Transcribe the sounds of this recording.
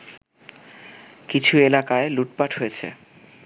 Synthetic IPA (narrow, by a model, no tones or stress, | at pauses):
kit͡ɕʰuelakaeluʈpaʈɦojet͡ɕʰḛ